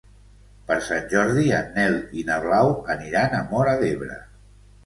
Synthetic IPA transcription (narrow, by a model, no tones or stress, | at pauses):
pəɾsanʲʒɔɾðiənːɛlinəβ̞lawəniɾanəmɔɾaðeβɾə̰